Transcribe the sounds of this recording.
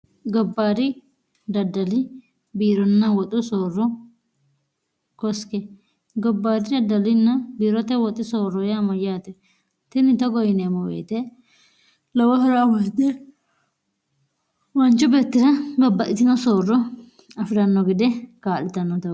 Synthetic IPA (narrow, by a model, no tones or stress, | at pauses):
ɡɔbːaːd̪ɪ | d̪ɐdːɐlɪ | biːɾɔnːɐwɔt̪ʼʊsoːrːɔ | kɔskɛ | ɡɔbːaːd̪ɪd̪ɐdːɐlɪnːɐbiːɾɔt̪ːɛwɔt̪ʼːɪsoːrːɔjamɔjaːt̪ɛ | t̪ɪnɪt̪ɔɡɔjɪnemɔwḛːt̪ɛ | lɔwɐhɔɾawɔt̪ːɛ | wɐnt͡ʃːʊbeːt̪ːɪdɐbɐbːɐʔɪt̪ɪnɔsoːrːɔ | ɐfɪɾɐnːɔɡɪd̪ɛkaːlɪt̪ɐnːɔt̪ɐ